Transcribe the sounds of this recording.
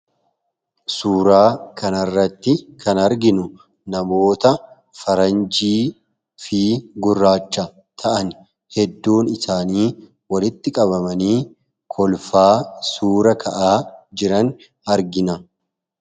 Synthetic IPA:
suːɾaːkɐnɐrːɐt̪ːɪkʰɐnɐɾɡɪnʊ | nɐmo̞ːt̪ɐ | fɐɾɐnd͡ʒiː | fiːɡʊrːaːt͡ʃːɐ | t̪ʰɐʔɐn | hɛd̪ːuːnɪsaːniː | wɐlɪt̪ːɪkʼɐβɐmɐniː | kʰɔlfaːsuːɾɐkʰɐʔaːd͡ʒɪɾɐn | ɐɾɡɪnɐ

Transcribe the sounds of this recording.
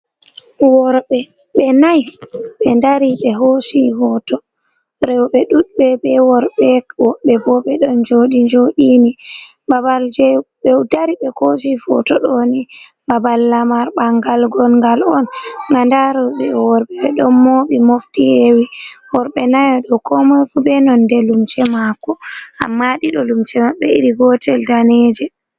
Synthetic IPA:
wɔɾɓɛ | ɓɛnajɓɛndaɾiɓɛɦosifɔtɔ | ɾɛwɓɛɗuɗɓɛbɛwɔɾɓɛɔɓɛbɔɓɛɗɔnd͡ʒoɗiɲd͡ʒoɗini | babald͡ʒɛɓɛwdaɾiɓɛkos̬ifɔ̰tɔɗoni | babalːamaɾɓaŋɡalɡɔnŋɡalɔnŋɡandaɾɔɓɛwɔɾɓɛɓɛɗɔnːoɓimoftihewiwɔɾɓɛnajɔɗɔkʰɔmɔfubɛnɔndɛlumt͡ʃɛmakːɔa̰mːaɗiɗɔlumt͡ʃɛmaɓɛḭɾiɡɔtɛldanɛd͡ʒɛ

